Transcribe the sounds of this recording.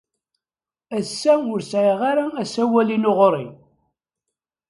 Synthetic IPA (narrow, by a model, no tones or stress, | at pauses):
æsːæʊɾsʕiʁaɾaæsæwælinoʁɾˤḭ